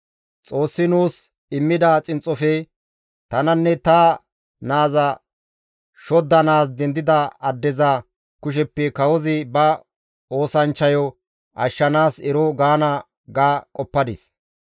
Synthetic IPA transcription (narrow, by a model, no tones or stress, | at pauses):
t͡sʼo̞ːsːɪnuːs | ɪmːɪd̪ɐt͡sʼɪnt͡sʼɔfɛ | t̪ɐnɐnːɛt̪ɐ | naːzɐ | ʃɔd̪ːɐnaːsd̪ɛnd̪ɪd̪ɐɐd̪ːɛzɐ | kʊʃ̬ɛpːɛkɐwɔzɪbɐ | o̞ːsɐnt͡ʃːɐjɔ | ʔɐʃːɐnaːsɛɾɔɡaːnɐ | ɡaːkʼɔpːɐd̪ɪs